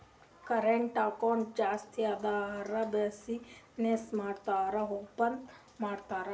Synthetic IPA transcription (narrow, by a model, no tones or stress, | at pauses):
kɐɾeɳʈaːkɔːnd͡ʒaːst̪ʰiad̪aːɾabesi | nesmaːɾt̪aːɾɐɦupɐnd̪ | maːɾt̪aːɾa